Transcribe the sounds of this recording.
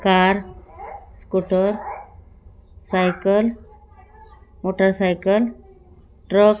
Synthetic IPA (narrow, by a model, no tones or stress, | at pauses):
kaɾ | skuʈəɾ | sajkəl | moʈəɾsajkəl | ʈɾək